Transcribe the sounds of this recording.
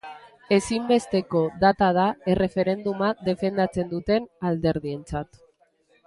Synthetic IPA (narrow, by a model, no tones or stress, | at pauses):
e̞simbe̞st̪e̞ko̞ðat̪að̞aere̞fe̞ɾe̞nd̪umaðe̞fe̞nd̪at͡se̞nd̪ut̪e̞nald̪e̞ɾðie̞nt͡sat̪